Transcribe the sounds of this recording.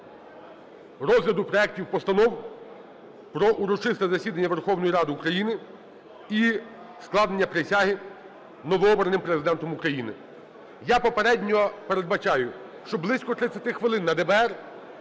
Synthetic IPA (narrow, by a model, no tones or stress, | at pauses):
rɔzlʲɐd̪ʊpɾɔɛk̚tʲiwpɔst̪ɐnɔw | pɾɔʔuɾɔt͡ʃɪst̪ɛzɐsʲid̪ɐnʲːɐʋerxɔwnɔjiɾɑd̪ɪukɾɐjinɪ | i | sklˠɑd̪nnʲːɐpɾesʲaɦɪ | nɔʋɔɔbɾɐnɪmpɾezɪd̪ɛnt̪ɔmʊkɾɐjinɪ̰ | japɔpeɾɛdʲnʲɔpeɾe̞d̪bɐt͡ʃɑjʊ | ʃt͡ʃɔblˠɪsʲkɔt̪ɾɪt͡sʲːɐt̪ɪxʋɪlˠɪnːɐd̪ɛbɛɛr